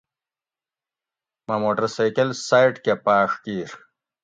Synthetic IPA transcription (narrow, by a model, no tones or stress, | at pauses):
mamoːʈɐɾsajkɐlsajʈkepaːʂkiːɾ